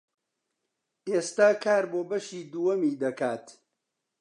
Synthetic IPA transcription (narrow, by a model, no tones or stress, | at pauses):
ʔeːst̪aːkʰaːɾboːbɐʃiːd̪uwɐmiːd̪ɐkaːt̪